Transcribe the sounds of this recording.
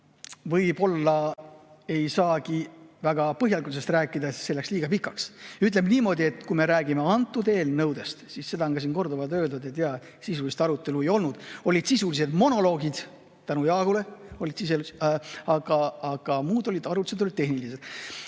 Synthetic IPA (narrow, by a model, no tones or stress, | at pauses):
vɤjbo̞lːɑ | e̞jsɑːkivæɡ̥ɑpɤɦjɑlikuls̬est̪ræːkːˑid̪ɑse̞lːe̞ksliːɡ̥ɑpikːˑɑksyt̪̬ˑle̞mniːmo̞ːd̪ie̞t̪kuime̞ɾæːɡimeɑnt̪ːˑud̪e̞ːlnɤwd̪̥e̞st̪sisse̞d̪̥ɑoŋɡ̥ɑs̬iːnko̞rd̪ovɑlt̪ø̞ːld̪ud̪et̪jɑ | sisulist̪ɑɾut̪ːˑe̞lue̞jo̞lnud̪̥o̞lʲid̪̥sisulise̞d̪̥mo̞no̞lo̞ːɡid̪̥ | t̪ænujɑːɡ̥ule̞o̞lʲid̪̥sis̬elusɑɡ̥ɑːɡ̥ɑmuːd̪o̞lʲid̪̥ɑɾut̪ised̪o̞lid̪e̞ɦnilise̞d̪̥